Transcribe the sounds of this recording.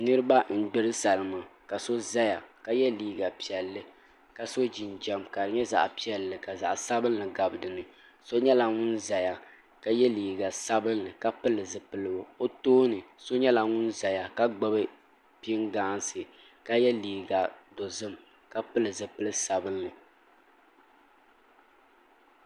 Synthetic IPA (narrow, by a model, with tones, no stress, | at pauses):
nɨ˦ɾɨ˦ba˦n̩˦ɡ͡bɪ˦ɾɨ˦sa˨lɨ˨ma˨ka˨so˦za˦ja˨ka˦jɛ˦liː˨ɡa˨pi˨ɛ˨lːɨ˦ | ka˨so˦d͡ʒi˨nd͡ʒɛ˨mka˨dɨ˨ɲɛ˦za̰˨ʔpi˦ɛ˨lːɨ˨ka˨za̰˨ʔsa˦bɨ˦nːɨ˨ɡa˨bɨ˨dɨ˨nɨ˨ | so˦ɲɛ˦la˨ŋʊ˦nza˨ja˨ | ka˦jɛ˦liː˨ɡa˨sa˦bɨ˦nlɨ˨ka˦pɨ˦lɨ˨zɨ˨pɨ˦lɨ˨bo˨o˦toː˦nɨ˨so˦ɲɛ˦la˨ŋʊ˦nza˨ja˨ka˦ɡ͡ba˦bɨ˦ | pi˦ŋɡaː˦nsɨ˨ | ka˦jɛ˦liː˨ɡa˨do˨zɨ˦m | ka˦pɨ˦lɨ˨zɨ˨pɨ˦lɨ˦sa˨bɨ˦nːɨ˨